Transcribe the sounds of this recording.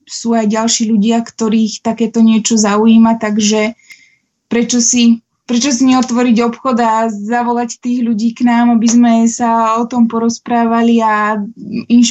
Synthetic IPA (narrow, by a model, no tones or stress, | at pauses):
suːajɟalʃiːʎuɟɪakt̪ɔɾiːxt̪akɛːt̪ɔɲɪɛt͡ʃɔzauiːmat̪aɡʒɛ | pɾɛt͡ʃɔsi | pɾɛt͡ʃɔsiɲɛɔt̪ʋɔɾiɟɔpxɔd̪azaʋɔlact̪iːɣʎuɟiːknaːmabizmɛsaɔt̪ɔmpɔɾɔspɾaːʋalia | inʃ